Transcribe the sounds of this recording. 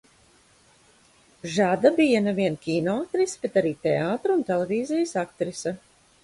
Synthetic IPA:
ʒad̪abijanevʲiɛnkʲiːnoak̚t̪ɾisbet̪aɾiːt̪eaːt̪ɾunt̪eleviːzijəsak̚t̪ɾisa

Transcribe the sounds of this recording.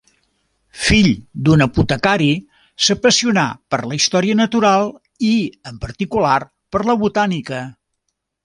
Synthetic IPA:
fiʎd̪unəput̪əkaɾi | səpəsiuna̰pəɾləist̪ɔɾiənət̪uɾalˠ | iəmpəɾt̪ikular | pəɾləβut̪anikə

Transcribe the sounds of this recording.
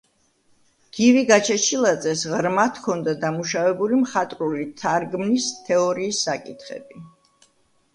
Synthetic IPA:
ɡ̪̥iviɡat͡ʃʰɛt͡ʃʰilˠat̪sʼɛsʁɾmat̪ʰkʰɔnd̪ad̪amuʃavɛbulimχat̪ʼɾulit̪ʰaɾɡmnist̪ʰɛɔɾiːsːakʼit̪ʰχɛ̰bi

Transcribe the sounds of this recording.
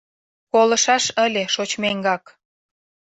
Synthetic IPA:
kolə̆ʃɑʃəlʲeʃot͡ɕmeŋɡɑk

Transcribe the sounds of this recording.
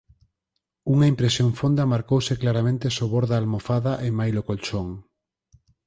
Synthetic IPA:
uŋaimpɾesjoŋfond̪ɐmaɾkowseklaɾamẽnt̪esoβoɾðaːlmofaðaʔemajlokolt͡ʃoŋ

